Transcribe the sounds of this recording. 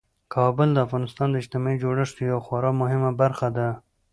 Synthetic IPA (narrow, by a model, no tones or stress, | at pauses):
kʰɑbəld̪əafɣɑnɪst̪ɑnd̪əɪd͡ʒt̪ɪmɑid͡ʒoɽəʂt̪ojawaxwɑɾɑmʊɦɪmabaɾxad̪a